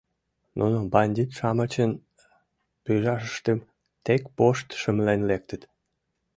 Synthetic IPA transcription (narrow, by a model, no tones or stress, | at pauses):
nʔunobɑnʲd̪ʲit̪ʃɑmət͡ɕən | pyjʒɑʃəʃt̪em | t̪ekpoʃt̪ʃəmlenlek̚t̪ət̪